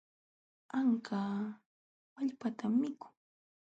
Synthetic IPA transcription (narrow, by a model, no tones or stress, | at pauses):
aŋkʰaː | maʎpat̪amːɪkʊ̥ŋ